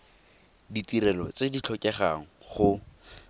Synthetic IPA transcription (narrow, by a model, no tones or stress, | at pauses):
ditiɾɛlɔt͡sedit͡ɬʰɔkʼɛχaŋ̩χʊ